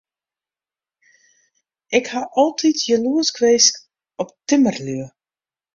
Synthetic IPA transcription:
ʔɪkhaʔɔlˠtʰitʰjəluəskʰʋeːsk | ɔptɪmərlyə

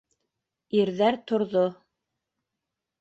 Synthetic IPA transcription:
iɾðæɾt̪ŏɾðo

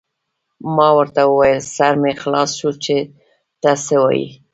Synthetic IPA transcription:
mɑwəɾt̪awəwajəlsaɾmexlɑsʃut͡ʃe | t̪ɑsewɑ̰jḭ

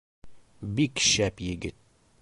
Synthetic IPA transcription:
bikʃæpjɪɡɪt̪̚

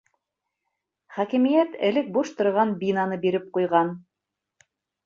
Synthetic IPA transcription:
χækimijæt̪ɘ̆lɘk̚buʃt̪ŏɾʁɑnbinɑnɤbiɾɘp̚qujʁɑn

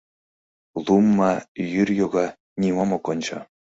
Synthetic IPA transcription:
lˠumːɑjyrʲjoɡɑ | nʲimɑmɤ̆kɤ̆nʲt͡ɕɤ̰̆

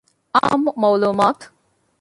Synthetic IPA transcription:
a̰ːmmɐwluːmaːt̪

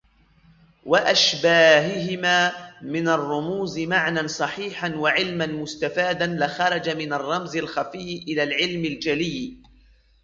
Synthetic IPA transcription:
waʔaʃbaːɦɪɦɪmaːmɪnarˤːʊmuːzɪmaʕnansˤɑħiːħanwaʕɪlmanmʊst̪afaːd̪anlɪxɑɾˤɑd͡ʒamɪnarˤːɑmzɪlxafɪːʔɪlaːlʕɪlmɪld͡ʒalɪː

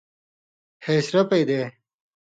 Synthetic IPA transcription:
heːsɾɐped̪e

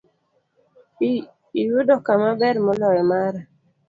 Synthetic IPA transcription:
ijudɔkamabɛɾmɔlɔɛmaɾa

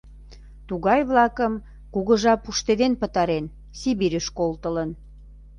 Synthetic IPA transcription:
t̪uɣɑjβlɑkəm | kuɣə̆ʒɑpuʃt̪ed̪enpə̆t̪ɑɾen | siβiɾʲyʃkolt̪ələn

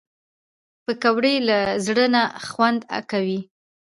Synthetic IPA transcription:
pəkawɽelazɽənaxwand̪a̰kawi

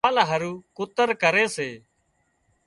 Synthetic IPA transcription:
lɦəɾuːkʊt̪əɾkəɾeːseː

